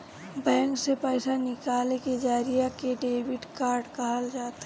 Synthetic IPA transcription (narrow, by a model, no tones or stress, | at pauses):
bɛ̃ːŋksepɛɪsanɪkaːleked͡ʒaːɾijakeɖeːbɪʈkaːɾɖkaɦld͡ʒaːt̪ː